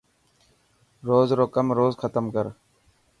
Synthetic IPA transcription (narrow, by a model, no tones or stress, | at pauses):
ɾoːzɾoːkəmɾoːzxʰət̪əmkəɾ